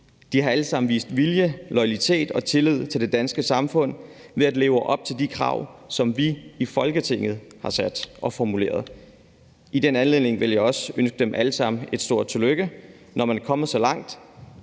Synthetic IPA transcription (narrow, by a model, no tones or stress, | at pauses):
d̥ihɑ̈æləsɑ̈mn̩ʋḭːsd̥ʋiljəlɒ̽ɪælit͡sʰe̝̰ːd̥ɒ̽t͡sʰe̝lið̰ˠt͡sʰe̝ld̥e̝d̥ænsɡ̥əsɑ̈mfɔ̽n̰ | ʋe̝æd̥le̝ːʊəʔɒ̽b̥̚t͡sʰe̝ld̥ikʰʁɑ̰̈ʊsɒ̽mʋiifɒ̽lɡ̥ət͡sʰe̝ŋ̰ð̞̩ˠhɑ̈sæd̥ʔɒ̽fɒmule̝̰ːɐðˠ | id̥enænle̝ðˠne̝ŋʋe̝ljɑ̈ɒ̽sønsɡ̥əd̥emʔæləsɑ̈m̰n̩e̝d̥sd̥o̝ɐ̰d̥̚t͡sʰe̝løɡ̥ə | nɒmænkʰɒ̽m̰ð̩ˠsɒ̽lɑ̈ŋ̰d̥